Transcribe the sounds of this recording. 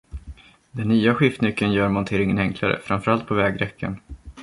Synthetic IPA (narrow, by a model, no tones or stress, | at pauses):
d̪ɛnːyːaɧɪft̪nʏkːənjœːɾmɔnt̪ʰeːɾɪŋənɛŋkʰlaɾə̰fɾamfœɾalt̪̚pʰɔvɛːɡɾɛkːə̰n